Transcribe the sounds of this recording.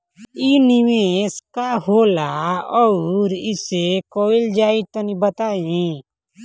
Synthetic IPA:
inɪʋeːskaɦoːlaɔɾɪsekoːɪld͡ʒaːit̪õnibət̪aːe

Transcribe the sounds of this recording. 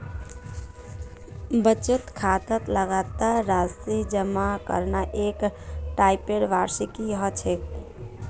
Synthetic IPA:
bət͡ʃət̪kʰat̪ət̪ləɡat̪aɾːasid͡ʒəmakə̰ɾnaʔekʈaipeɽʋaɾsikiɦɔt͡ʃʰek

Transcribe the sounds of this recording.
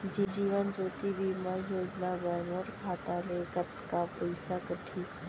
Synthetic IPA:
d͡ʒid͡ʒiːʋənd͡ʒoːt̪ibiːmãjoːd͡ʒnabaɦmoːɾkʰaːt̪alekət̪kapɐɪsakəʈʰiː

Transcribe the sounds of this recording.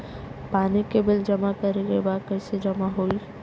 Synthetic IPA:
paːnikebɪld͡ʒɐmakɐɾeɡəebaːkɐɪsed͡ʒɐmaɦoːi

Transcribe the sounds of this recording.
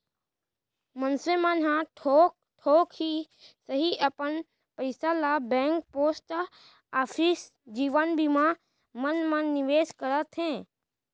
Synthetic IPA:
mənsʋemãnɦãʈʰok | ʈʰoːkhi | səɦiʔəpən | pəɪsalabɛ̃ːŋk̚poːsʈ | aːpʰis | d͡ʒiːʋənbʱimã | mənmãnɪʋeːʃkəɾət̪ɦɛ̃ː

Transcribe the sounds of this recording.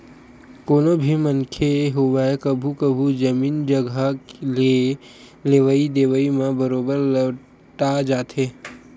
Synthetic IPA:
koːnobʱimənkʰeɦoʋaekəbʱukəbʱud͡ʒəmiːnd͡ʒəɡʱəklie | leːʋəid̪eːʋəimẽbəɾoːbəɾlə | ʈad͡ʒaːt̪e

